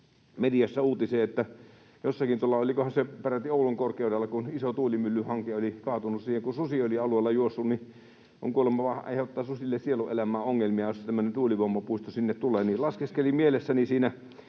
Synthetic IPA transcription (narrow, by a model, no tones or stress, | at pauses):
mediɑsːæuːt̪iseːet̪ːæ | josːɑkint̪uolːɑolikohɑnseperæt̪ːioˑuluŋkorkˑeˑudelːɑkunisot̪uːlimylːyhɑŋkeolikɑːt̪unussiːheŋkususioliɑluelːɑjuosːunni | ʔo̰ŋkuolemːɑʋɑɑ̰ˑhot̪ːɑːsusilːessieluʔʔelæmæːʔoŋːelmiɑjost̪æmːønent̪uːliʋomːɑpuist̪osinːet̪t̪uleːnilɑskeskelimielesːænisiːnæ